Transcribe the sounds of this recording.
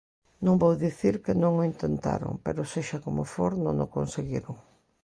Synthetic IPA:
nõŋbowðiθiɾkɪnõŋʊint̪ent̪a̰ɾo̰ŋpeɾʊseʃakomʊfoɾnõ̰ŋʊ̰konseɣiɾʊŋ

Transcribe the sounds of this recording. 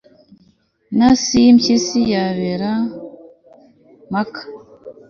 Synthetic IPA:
nasimcisijaβeɾa | makḁ

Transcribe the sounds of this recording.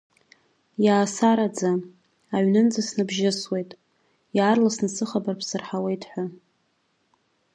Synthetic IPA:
jaːsaɾad͡za | aʕɥnɨnd͡zasnɨbʒɪswe̞jtʼ | jaːrlasnɨsɨχabarpʰsɨrħawe̞jtʰʼħʷa

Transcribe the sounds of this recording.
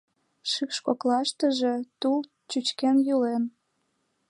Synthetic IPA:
ʃykʃkoklɑʃt̪əʒe̽t̪ul | t͡ɕyt͡ɕkenjulen

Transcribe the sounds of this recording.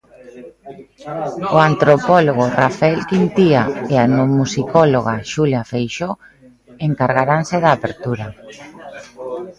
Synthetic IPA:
oant̪ɾopɔloɣorafaɛlkint̪iaeanomusikɔloɣaʃuljafejʃo | eŋkaɾɣaɾanseðaːpeɾt̪uɾa

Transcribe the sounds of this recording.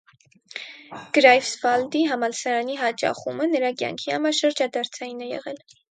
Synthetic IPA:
ɡ̥ɾɑjfsvɑld̪iɦɑmɑlsɑɾɑniɦɑt͡ʃɑ̰χumənəɾɑkjɑ̰ŋkʰihɑmɑʃəɾd͡ʒɑd̪ɑɾt͡sʰɑjinɛjɛ̰ʁɛl

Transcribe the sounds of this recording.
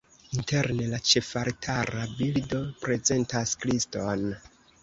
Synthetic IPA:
inte̞ɾne̞lat͡ʃe̞faɾtʰaɾabildo̞pɾe̞ze̞ntaskɾiston

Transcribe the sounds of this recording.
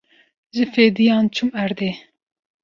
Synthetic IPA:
ʒɨfeːd̪ijɑːnt͡ʃʰumæɾd̪eː

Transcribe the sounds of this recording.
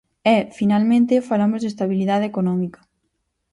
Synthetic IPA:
ɛfinalmẽnt̪efalamozðest̪aβiliðað̞ekonɔmikɐ̥

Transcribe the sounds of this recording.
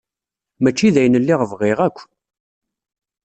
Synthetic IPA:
mæt͡ʃːiðæjənəlːɪʁəvʁɪʁækʷː

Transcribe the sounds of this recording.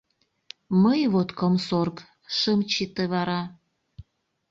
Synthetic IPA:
məjβot̪kəmsork | ʃəmt͡ɕit̪eβɑɾɑ

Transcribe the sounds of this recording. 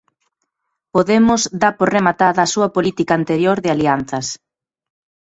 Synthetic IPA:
poðemʊzd̪aɾpoɾremat̪aðɐːsuɐpolit̪ikaːnt̪eɾjoɾðɪalian̟θɐs

